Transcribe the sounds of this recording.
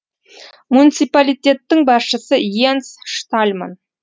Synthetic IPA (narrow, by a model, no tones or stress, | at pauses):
munit̪sijpalʲijt̪ʲe̞t̪ːɪŋbɑsʃəsəjensʃt̪alʲma̰n